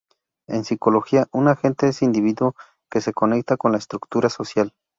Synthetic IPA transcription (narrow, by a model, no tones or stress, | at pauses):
e̞̰nsiko̞lo̞xiaʔunaxe̞nt̪e̞esind̪iβiðwo | ke̞se̞ko̞ne̞k̚t̪ako̞nlaest̪ɾukt̪uɾaso̞sjal